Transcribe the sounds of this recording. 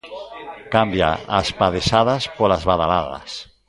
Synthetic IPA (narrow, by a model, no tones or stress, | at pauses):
kambja̰aspaðeʃaðaspolazβaðalaða̰s